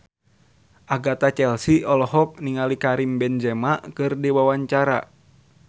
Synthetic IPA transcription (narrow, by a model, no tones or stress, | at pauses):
ʔaɡat̪at͡ʃɛlsiɔlɔɦɔk̚niŋalikaɾimbɛnd͡ʒɛmaʔkɨrdiwawaɲt͡ʃaɾa̰